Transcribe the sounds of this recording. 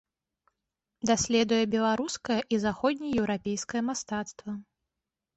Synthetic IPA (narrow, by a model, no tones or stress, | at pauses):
d̪asʲlʲɛd̪ujɛbʲɛlˠaɾuskɐjɐʔizaxɔd̪ʲnʲɛjɛwɾapʲejskɐjɐmast̪at̪st̪vɐ